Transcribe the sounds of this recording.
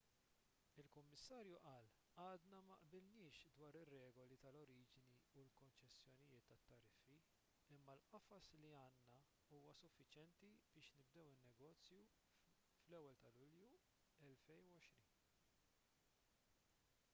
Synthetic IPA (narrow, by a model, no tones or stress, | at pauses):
ɪlkʊmːɪsːɐːɾjuʔɐːl | ɐːd̪nɐmɐʔbɪlnɪːʃd̪wɐːɾɪrːɛːɡɔlit̪ɐlɔɾiːd͡ʒniulkɔnt͡ʃɛsːjɔnɪjɪːt̪ːɐt̪ːɐɾɪfːi | ɪmːɐlʔɐfɐsliɐːnːɐ | uːwɐsʊfːɪt͡ʃjɛnt̪ib̥ɪːʃnɪb̚d̪ɛwɪnːɛɡɔːt͡sːju | flɛwːɛlt̪ɐlʊlju | ɛlfɛjnuwɔʃɾiːn